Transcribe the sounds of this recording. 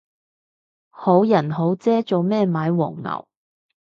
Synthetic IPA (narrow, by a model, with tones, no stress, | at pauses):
ho˨˥wjɐ˨˩nɦo˨˥wt͡sɛː˥t͡so˨wmɛː˥˧maː˨˥jwɔ̰ː˨˩ŋŋɐ̰˨˩w